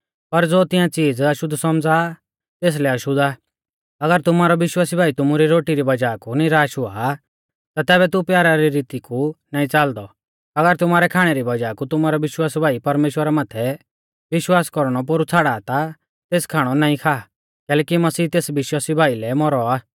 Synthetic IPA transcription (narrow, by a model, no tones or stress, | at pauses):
pɐɾd͡zoːt̪ɪ̃jãt͡siːd͡zɐʃʊd̪ʱsɔmd͡za | t̪eːs̬lɛɐʃʊd̪a | ɐɡəɾt̪ʊmaːɾɔʋɪʃwaːsibʱaːit̪ʊmuɾiɾoːʈiɾibɐd͡ʒaːkuniɾaːʃʊa̰ | t̪at̪ɛːβɛt̪upjaːɾaɾiɾiːt̪ikunaːĩt͡saːld̪ɔ | ɐɡəɾt̪ʊmaːɾɛkʰaːɽ̃ɛɾibɐd͡ʒaːkut̪ʊmaːɾɔʋɪʃwaːsbʱaːipɐɾmeːʃwəɾamãːt̪ʰɛ | ʋɪʃwaːskɔɾɽ̃ɔp̬oɾut͡sʰaːɽaːt̪a | t̪eːskʰaːɽ̃ɔnaːĩkʰaː | kɛːlɛːkimɐsiːt̪eːsʋɪʃwaːsibʱaːilɛmɔɾɔaː